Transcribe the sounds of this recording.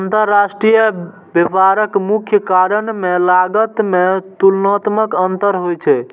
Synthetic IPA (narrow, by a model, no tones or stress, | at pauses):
ant̪əɾːasʈɾijə | bepaɾəkmukʰjəkaɾənmelaɡət̪met̪ulnɔt̪məkənt̪əɾɦojt͡ʃʰɛ